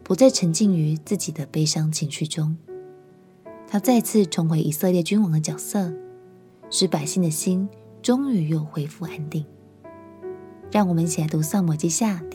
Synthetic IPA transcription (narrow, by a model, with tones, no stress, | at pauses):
pu˧˥t͡sa˥˩ɪʈ͡ʂʰə˧˥ŋt͡ɕi˥˩ŋy˧˥t͡sɹ̩˥˩t͡ɕi˨˩d̪ə˦pe˥ɪʂɑ˥ŋt͡ɕʰi˧˥ŋɕy˥˩ʈ͡ʂʊ˥ŋ | t̪ʰa˥t͡sa˥˧ɪt͡sʰɹ̩˥˩ʈ͡ʂʰʊ˧˥ŋxwe˧˥ɪʔi˨˩sɤ˥˧ljɛ˥˩t͡ɕy˥nwɑ˧˥ŋd̪ə˧t͡ɕjɑ˨˩ʊsɤ˥˨ | ʂɻ̩˥˩pa˨˩ɪɕi˥˩ŋd̪ə˨ɕi˥n | ʈ͡ʂʊ˥ŋy˨˩˦jo˥˩ʊxwe˧˥ɪfu˥˩a˥nt̪i˥˩ŋ | ɻɑ˥˩ŋwɔ˨˩mə˦nt͡ɕʰi˨la˨˥ɪt̪u˧˥sɑ˥˩mɔ˨˩t͡ɕi˥ɕja˥˩